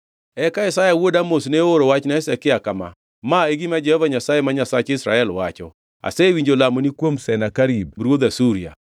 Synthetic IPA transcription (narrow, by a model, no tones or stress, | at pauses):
ɛkaesajawodamosneoɾowat͡ʃnaɛsɛkɪakama̰ | maeɡimad͡ʒɛhɔvaɲasajemaɲasat͡ʃɪsɾaɛlwat͡ʃɔ̰ | a̰sewiɲd͡ʒolamonikwomsɛnakaɾib̚ɾwod̪asuɾia̰